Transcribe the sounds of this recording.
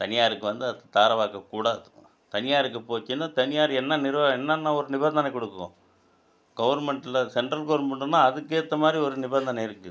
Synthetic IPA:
t̪ɐnɪjaːɾɯkːɯʋɐnd̪ɯɐðɐt̪aːɾɐʋaːkɐkːuːɽaːðɯ | t̪ɐnɪjaːɾɯk̬ːɯpoːt͡ʃːɯnːat̪ɐnɪjaːɾɛnːɐnɪɾɯʋaːɛnːɐnːãːɔɾɯnɪbɛnd̪ɐnɐkːɔɽɯkːõ̰ː | ɡɐʋɐɾmɛɳʈɪlɐsɛɳʈɾɐlɡɐʋɐɾmɛɳʈːɯnːãːɐðɯkːeːt̪ːɐmaːd̪ɾiɔɾɯnɪbɐnd̪ɐnɐɪɾɯkːɯ

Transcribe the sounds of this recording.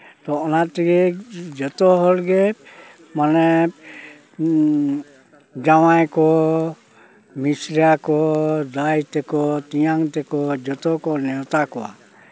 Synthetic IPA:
t̪ɔɔnat̪iɡɛd͡ʒɔt̪ɔɦɔlɡɛ | manɛ | d͡ʒawajkɔ | misɾiakɔd̪ajt̪ɛkɔt̪ijaŋt̪ɛkɔd͡ʒɔt̪ɔkɔnɛɔt̪akɔwa̰

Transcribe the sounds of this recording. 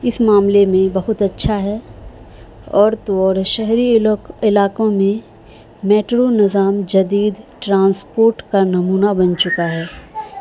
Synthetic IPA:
ɪsmaːmlemẽbɐɦʊt̪ɐtːʃʰaɦɛː | ɔːɾt̪oɔːɾʃɛɦɾiɪlaːkõmẽ | meːʈɾonɪzaːmd͡ʒɐd̪iːd̪ʈɾãːnspoːɾʈkanɐmuːnabɐ̃nt͡ʃʊkaɦɛː

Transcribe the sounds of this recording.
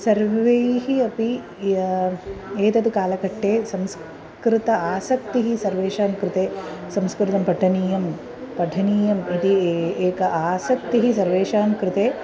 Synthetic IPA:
sɐɾʋʋejɦiɐpi | eːt̪ɐd̪ukaːlɐkɐʈːeːsɐ̃ms | kɾɪt̪ɐaːsɐk̚t̪iɦisɐɾʋeːʃaːnkɾɪt̪eːsɐmskɾɪt̪ɐmpɐʈʰɐniːjɐm | pɐʈʰɐniːjɐmit̪ieːkɐʔaːsɐk̚t̪iɦisɐɾʋeːʃaːnkɾɪt̪eː

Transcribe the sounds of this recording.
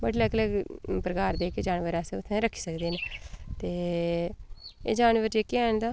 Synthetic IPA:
bəɽləkləɡpɾəkaːɾd̪eːkeːd͡ʒaːnʋəɾɛːseːʊt̪ʰːẽɾəkʰːi̥ːsəkd̪eːnet̪eː | ḛːd͡ʒaːnʋəɾd͡ʒekːiːɛːɳd̪aː

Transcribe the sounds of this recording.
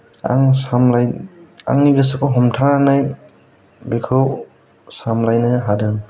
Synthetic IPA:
a̰ŋsamlaja̰ŋnibas̬akʰɔɦɔmtʰananaj | bekʰɯw | samlajnɯɦadɯŋ

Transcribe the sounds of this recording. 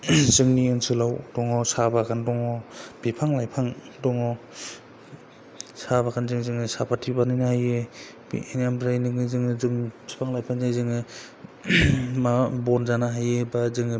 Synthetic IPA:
zɯŋniɯnsɯlawdɔŋɔsabakʰandɔŋɔb̥ipʰaŋlajpʰaŋ | dɔŋɔ | sabakʰanzɯŋzɯŋɯsapʰatʰibanajnahajɯ | b̰enamɾajnɯŋɯzɯŋɯzɯŋsʰi̥pʰaŋlajpʰaŋzazɯŋɯ | mabɔnzanaɦajɯbazɯŋɯ

